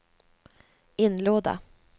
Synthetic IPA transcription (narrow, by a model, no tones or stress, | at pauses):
ɪnːloːd̪a̰